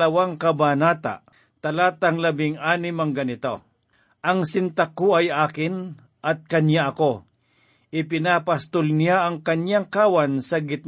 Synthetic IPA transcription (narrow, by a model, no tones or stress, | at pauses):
ɐwaŋkɐbanaːt̪a̰ | t̪ɐlaːt̪aŋlɐbɪŋaːnɪmɐŋɡɐnɪt̪o | ʔɐŋsɪnt̪akoɐjaːkɪn | ʔɐt̪̚kɐnɲjaʔɐko̞ | ʔɪpɪnaːpɐst̪olnɪjaɐŋkɐɲjaŋkaːwansɐɡɪt̪̚